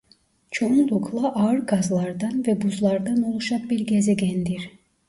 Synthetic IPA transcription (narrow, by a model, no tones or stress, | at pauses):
t͡ʃʰound̪ˠokʰlˠɑʔɑɯɾɡɑzlˠɑɾd̪ɑnvɛbuzlˠɑɾd̪ɑnolˠuʃɑp̚biɾɡʲɛzeɡʲɛnd̪iɾ